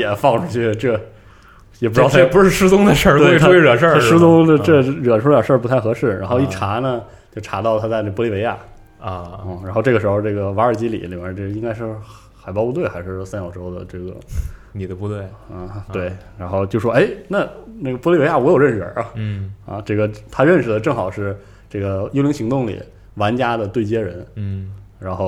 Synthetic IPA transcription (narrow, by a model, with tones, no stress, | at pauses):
jɛ˨˩fɑ˥˩ŋʈ͡ʂʰu˥t͡ɕʰy˥˩ʈ͡ʂɤ˥˩ | jɛ˨˩pu˧˥˧t̪ʰpu˧˥ʂɻ̩˥˩ʂɻ̩˥t͡sʊ˥ŋd̪ə˧ʂə˥˩we˥˩˥ɻa˨˩nʂə˥˩˥ʂɻ̩˥t͡sʊ˥ŋə˧ʈ͡ʂɤ˥˧ɻə˨˩nʈ͡ʂʰu˧˥la˥˩ə˩ʂə˞˥˧pu˧˥t̪ʰa˥˩ɪxɤ˧˥ʂɻ̩˥˩ɻa˧˥nxo˥˧ʊi˥˧˩ʈ͡ʂʰa˧˥nə˧˨ | t͡ɕjo˥˩ʊʈ͡ʂʰa˧˥t̪ɑ˥˧ʊt̪ʰa˥t͡sa˧ə˥˩pwi˥˩we˧˥ɪja̰˥˩˧ | ɻa˧˥nxo˧ʈ͡ʂɤ˥˩ɡə˩ʂɻ̩˧˥xo˧ʊʈ͡ʂɤ˥˩ɡə˩wa˧˥ə˞˨˩t͡ɕi˧˥lḭ˨˦li˨˩mɛ˥˧ʈ͡ʂɤ˥˩i˥ŋka˥ɪʂɻ̩˥˩ | xa˨˩ɪpɑ˥˧pu˧t̪we˥˩ɪxa˧˥ɪʂɻ̩˥˩˥sa˥njɑ˨˩ʊʈ͡ʂo˥ʊd̪ə̰˨ʈ͡ʂɤ˥˩ɡə̰˩ni˨˩d̪ə˧pu˧t̪we˥˩ɪ˥˧˩t̪we˥˩ɪɻa˧˥nxo˥˧ʊt͡ɕjo˥˧ʊʂwɔ˥ʔe˥˩ɪna˥˩na˥˩ɡə˩pɔ˥˧li˥˩˧e˥ɪja˥˩wɔ˧˥jo˨˩ʊɻə˥˩nʂɻə̰˞˨˧˩ɐ̰˧ʈ͡ʂɤ˥˩ɡə˩t̪ʰa˥ɻə˥˧nʂɻ̩˩d̪ə˩ʈ͡ʂɤ˥˩ŋxɑ˨˩ʊʂɻ̩˥˧ | ʈ͡ʂɤ˥˩ɡə˩jo˥ʊli˧˥ŋɕi˧˥ŋt̪ʊ˥˩ŋlḭ˨˩ | wa˧˥nt͡ɕja˥d̪ə˨t̪we˥˩ɪt͡ɕjɛ˥ɻə˧˥n˥˩ɻa˧˥nxo˥˧ʊ